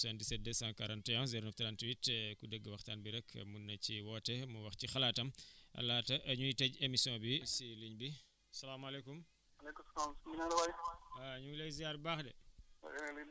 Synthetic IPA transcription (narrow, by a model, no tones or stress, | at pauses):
sandisɛt̚dɛsãːŋkaɾantɛjɔ̃ziɾonɐft̪ɐɾantwitːɛkudəɡːəwɐxtaːnbiɾɛkʰmunːɐciwɔːtɛmuwɐxcixɐlaːtɐmɐ̰laːtɐʔɐɲujitɛɟemisjɔ̃ːbisiliɲbi | ɐsɐlaːmɐlekum | ɐlekusɐlaːmsinalɐwaaɐɲulejzijaɾbaːxdɛ̰ | li